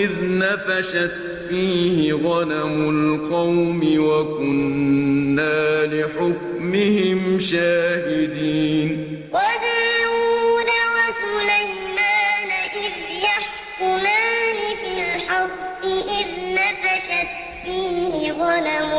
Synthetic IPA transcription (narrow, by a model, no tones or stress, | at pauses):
ʔɪðnafaʃat̪ | fiːhɪɣɑnamʊlqɑwmɪwakʊnː | aːlɪħʊk̚ | mɪhɪmʃaːhɪd̪iːn | wadaːwuːd̪awasulaj | maːnaʔɪð | jaħ | kʊmaːnɪfɪlħabːɪʔɪðnafaʃat̪ | fiːhɪɣɑnamʊ